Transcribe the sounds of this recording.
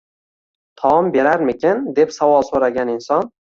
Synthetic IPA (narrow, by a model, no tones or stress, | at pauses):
t̪ʰɒɒmbe̞ɾaɾmɪkʲʰɪnd̪e̞psavɒlˠsoɾaɡʲanɪnsɒn